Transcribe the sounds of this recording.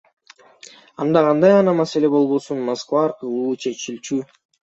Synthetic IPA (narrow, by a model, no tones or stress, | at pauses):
ɑnd̪ɑqʰɑnd̪ɑjɑnɑmɑse̞le̞bo̞lˠbo̞sunmaskvɑːɾqʰɯlˠuːt͡ʃʰe̞t͡ʃilt͡ʃy